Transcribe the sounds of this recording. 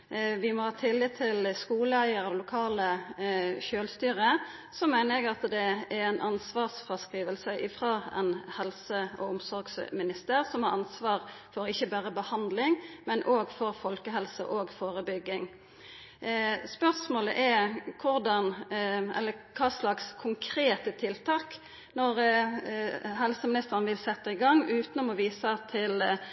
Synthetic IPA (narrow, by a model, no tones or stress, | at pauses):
ʋɪmɔhɑːt̪ʰɪlːit̪ʰɪlskuːləæɪəʁəlʊkʰɑːlə | ʃøːlst̪yːʁə | sɔmæɪnəɾɛɡɑt̪d̪ɛɛʁɛɪnʔɑnsʋɑːʁsfʁɑskʁiːʋəlsəʔɪfʁɑːɛ̰nhɛlsəɔ̰ʊmsɔɾɡsmɪnɪst̪əʁsɔmhɑʁɑnsʋɑːʁfɔɾɪçəbæːʁəbəhɑnd̪lɪŋmɛnʔoːɡfɔʁfɔlkəɦɛlsə̰ʔoːɡfoːʁəbʏɡːɪŋ | spœʁsmoːlə̰ʔɛkʰʊɾd̪ɑnɛ̰lːəkʰɑːslɑkskʰʊŋkʰɾeːt̪ət̪ʰɪlt̪ʰɑːk | nɔʁ | ɦɛlsəmɪnɪst̪əɾnʋɪlsɛt̪ːɑɪɡɑŋːʉːt̪nʊmɔʋiːsɑt̪ʰɪl